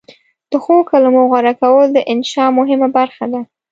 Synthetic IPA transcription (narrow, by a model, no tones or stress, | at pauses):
d̪̥əxokalamoɣwaɾakawəld̪əʔɪnʃɑmʊɦɪmabaɾxad̪a